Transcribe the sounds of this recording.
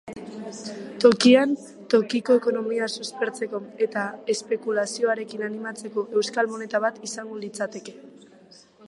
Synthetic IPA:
t̪o̞kian | t̪o̞kiko̞eko̞no̞miasuspe̞ɾt͡se̞ko̞e̞t̪ae̞spe̞kulasio̞aɾe̞kinanimat͡se̞ko̞ʔe̞wskalmone̞t̪aβat̪isaŋɡolit͡sat̪e̞ke̞

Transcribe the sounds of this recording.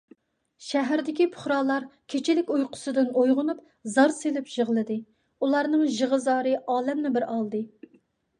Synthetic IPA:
ʃɛɦæɾd̪ɪkʲipʰʊ̥χɾɑːlˠɑɾkʲʰet͡ʃʰɪlɪkʲujqʰʊ̥sɨd̪ɨnojʁʊnup̚ | zɑɾselɪpʒ̥əʁlˠɨd̪ɨ | ulˠɑɾnɨŋʒəʁəzɑːɾɨʔɑːlɛmnɪbɪɾɑlˠd̪ɨ

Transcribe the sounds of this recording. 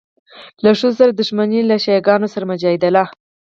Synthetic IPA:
laʂosaɾad̪ʊʃmanilaʃɑjɑɡɑnosaɾamʊd͡ʒɑhɪd̪alɑ

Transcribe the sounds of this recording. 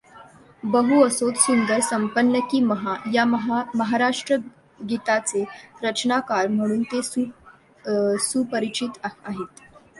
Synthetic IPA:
bəɦuəsot̪sund̪əɾsəmpənːəkiːməɦajaɦməɦaɾaʂʈɾə | ɡit̪at͡seɾət͡ɕnakaɾm̤əɽ̃uːnt̪esu | suːpəɾit͡ɕit̪aɦet̪

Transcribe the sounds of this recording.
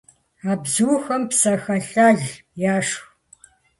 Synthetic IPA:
aːbzuwxɐmpsɐxɐɬaːɮ | jaːʂx

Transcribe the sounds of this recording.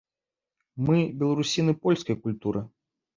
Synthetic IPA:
mɨbʲɛlˠɐɾusʲinɨpɔlʲskɐjkulʲt̪uɾɨ

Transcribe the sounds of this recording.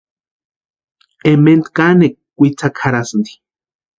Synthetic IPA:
ement̪kanekkːʷit͡sʰakʰaɾasɨnd̪i̥

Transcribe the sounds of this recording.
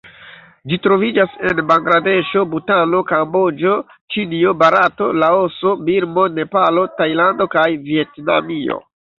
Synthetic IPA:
d͡ʒitɾo̞vid͡ʒase̞nbaŋɡɾade̞ʃo̞butano̞kambo̞d͡ʒo̞ | t͡ʃinio̞baɾato̞laoso̞biɾmo̞ne̞palo̞tajlando̞kajvie̞tna̰mio̞̰

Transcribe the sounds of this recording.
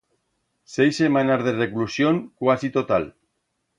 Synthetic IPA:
sejsːemanazðereklusjoŋkwasit̪ot̪al

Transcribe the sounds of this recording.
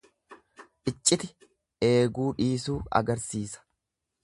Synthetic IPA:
ʔɪt͡ʃʼːɪt̪ɪ | ʔe̞ːɡuːᶑiːsuːɐ̰ɡɐɾsiːsɐ̥

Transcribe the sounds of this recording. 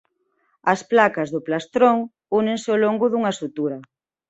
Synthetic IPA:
ɐsplakɐzðʊplast̪ɾoŋ | uneŋsɪoloŋɡʊðuŋɐsut̪uɾɐ

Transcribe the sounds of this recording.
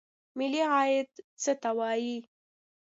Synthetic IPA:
mɪliɣɑjɪt̪t͡sət̪awɑji

